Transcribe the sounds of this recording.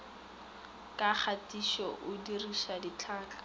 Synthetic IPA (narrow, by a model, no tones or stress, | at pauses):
kʼaχatiʃɔʔʊdiriʃadit͡ɬʰaːkḁ